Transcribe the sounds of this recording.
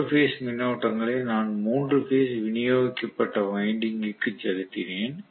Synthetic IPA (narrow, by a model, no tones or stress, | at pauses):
feːsmɪnːɐʊʈːɐŋɡɐɭeːnaːnmuːndrɯfeːsʋɪnɪjoːɣɪkːɐpːɐʈːɐʋɐɪɳɖɪŋɡɪkːɯt͡ʃɛlɯt̪ːɪneːn